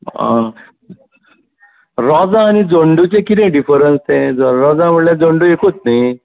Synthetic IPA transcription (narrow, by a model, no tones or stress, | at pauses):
ã̰ | ɾɔd͡zãːñid͡zoɳɖut͡ɕẽkit̪ɛ̃ɖifəɾənst̪ẽd͡zɾɔd͡zaməʈljad͡zoɳɖuekot̪̚naj